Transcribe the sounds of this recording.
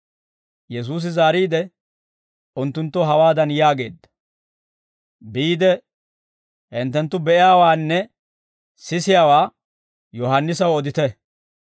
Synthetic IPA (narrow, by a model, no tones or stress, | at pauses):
jɛs̬uːs̬ɪzaːɾiːd̪ɛ | ʊnt̪ːʊnt̪ːɔɦɐwaːd̪ɐnjaːɡe̞ːd̪ːɐ̥ | biːd̪ɛ | hɪnt̪ːɛnt̪ːʊbɛʔɪjaːwaːnːɛ | sɪsɪjaːwaː | jɔɦɐnːɪsɐwɔd̪ɪt̪ɛ